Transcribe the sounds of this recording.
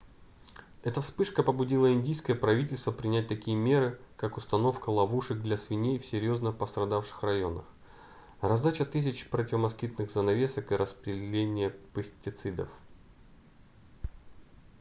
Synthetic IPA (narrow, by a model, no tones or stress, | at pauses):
ɛt̪əfspɨʂkəpəbʊdʲilˠəɪndʲijskəjəpɾɐvʲitʲɪlʲst̪vəpɾʲɪnʲæt̚ʲt̪ɐkʲijəmʲe̞ɾɨkakʊst̪ɐno̞fkəlˠɐvuʂɨk̚d̪lʲɐsvʲɪnʲejfsʲɪɾʲjo̞znəpəst̪ɾɐd̪afʂɨ̥xrɐjo̞nə̰x | rɐzd̪at͡ɕət̪ɨs̬ʲɪt͡ɕpɾətʲɪvəmɐskʲit̪nɨɣzənɐvʲe̞səkɨɾʔəspɾʲɪlʲenʲɪjəpɨsʲtʲɪt̪sɨd̪ə̰f